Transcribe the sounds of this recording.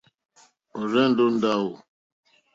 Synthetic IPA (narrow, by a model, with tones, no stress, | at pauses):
o˨ɾɛ˦n̩˦du˦n̩˦da˦wo˨